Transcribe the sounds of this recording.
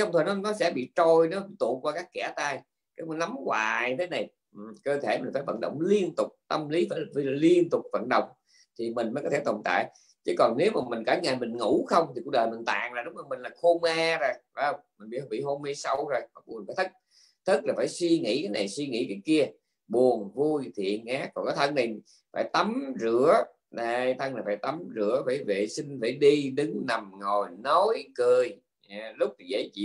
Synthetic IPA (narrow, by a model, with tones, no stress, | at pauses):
t͡ɕɔ˧wŋ͡mt̪ʰəː˨˩nɔ˨˦nɔ˨˦sɛ̰˧˥ɓḭ˧˨t͡ɕo˧jne˨˦m˨i˧˨˩t̪ṵ˧˨nkwaː˧kaː˦˥kːɛ˧˩t̪aː˧j | kaː˨˦˥mː˨˦na˨˦mkwaː˨˩jt̪ʰe˨˦na˨˩j | ʔkəː˧t̪ʰe˧˩mï̟˨˩faː˧˩jvə̰˧˨nɗə̰˧˨wŋ͡mli˧ənt̪ʊ˨˩k͡p̚t̪ə˧mli˨˦faː˧˩jvli˧ənt̪ʊ˨˩k͡p̚və̰˧˨nɗə̰˧˨wŋ͡m | t̪ʰi˨˩mï˨˩ŋ̟məː˨˦jkɔ˧˦t̪ʰe˧˩t̪o˨˩nt̪a̰ː˧˨j | t͡ɕɨ˨˦kɔ˨˩nne˨˦wmaː˨˩mï˨˩ŋ̟kaː˧˩˥ŋaː˨˩jmï˨˩ŋŋu˧˩˥xə˧wŋ͡mt̪i˨˩ku˧˥k̚ɗəː˨˩jmï˨˩ŋ̟t̪a̰ː˧˨ŋzaː˨˩ɗʊ˨˦ŋ͡mzəː˨˩mï˨˩ŋ̟laː˨˩xo˧maː˧zo˨˩ja˧˦˧wŋ͡mmï˨˩ŋ̟ɓḭ˨˧˥hɓḭ˧˨ho˧mːe˧sa˧wzo˨˩jɔ̟˧˨˦faː˧˦jt̪ʰɨ˦˥k̚ | t̪ʰɨ˦˥k̚laː˨˩faː˧˩jswi˧ŋḭ˧˥kaː˨˦jna˨˩jswi˧ŋḭ˧˥kaː˨˦ki˧ə | ɓu˨˩ənvu˧jt̪ʰḭ˧˨ənaː˦˥k̚ːɔ˨˩nkɔː˨˦jt̪ʰə˧ŋna˨˩j | faː˧˩jt̪ə˨˦mzɨ˧˦ə | ɗa˧jt̪ʰə˧ŋlaː˨˩faː˧˩jt̪ə˨˦mzɨ˧˥əvaː˧˩jvḛ˧˨si˧ŋ̟va˧˩jɗi˧ɗɨ˨˦ŋna˨˩mŋo˨˩jno˨˦jkɨ˨˩əj | a˨˩lʊ˦˥k͡p̚t̪ʰi˨˩zə̰˧˩˦jt͡ɕḭ˧˦